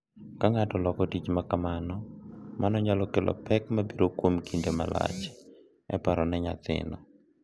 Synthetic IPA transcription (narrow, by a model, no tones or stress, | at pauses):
kaŋatɔlɔkɔtit͡ʃmakamanɔmanɔɲalɔkɛlɔ̰pɛkmabiɾokwomkʰindema̰la̰t͡ʃ | ɛ̰paɾɔnɛɲa̰t̪ɪ̰nɔ